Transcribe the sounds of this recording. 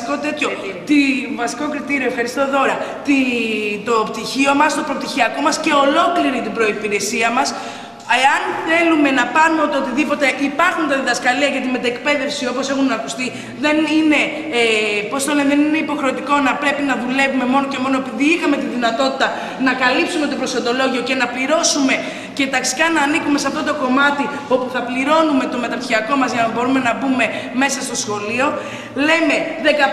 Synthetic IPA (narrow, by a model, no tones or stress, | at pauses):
kot̪et̪ço | t̪ivɐsi̥ko̞kɾit̪iɾiofxɐɾist̪o̞ðo̞ɾɐt̪it̪o̞pt̪içio̞mɐst̪o̞pɾo̞p̚t̪içiɐko̞mɐsce̞o̞lo̞kliɾit̪ibɾo̞ipiɾe̞siɐmɐs | eɐnθe̞lume̞nɐpɐnumeot̪eot̪iðipo̞t̪e̞ʔipɐɾxunt̪ɐðiðɐskɐliɐʝɐt̪ime̞t̪ɐek̚pe̞ðe̞fsio̞po̞se̞xunɐkust̪i | ðe̞nine̞ | post̪oleðenine̞ipo̞xɾe̞ot̪iko̞nɐpɾe̞pinɐðule̞vume̞mo̞no̞ce̞mo̞noe̞piðiixɐme̞t̪iðinɐt̪o̞t̪i̥t̪ɐ | nɐkɐlipsume̞t̪o̞pɾo̞sond̪o̞lo̞ʝio̞ce̞nɐpliɾo̞sume̞ | ce̞t̪ɐksi̥kɐnɐːnikume̞sɐft̪o̞t̪oko̞mɐt̪i | o̞puθɐpliɾo̞nume̞t̪o̞me̞t̪ɐçiɐko̞mɐzʝɐnɐbo̞ɾume̞nɐbume̞me̞sɐst̪o̞sxo̞lio̞ | le̞me̞ðe̞kɐ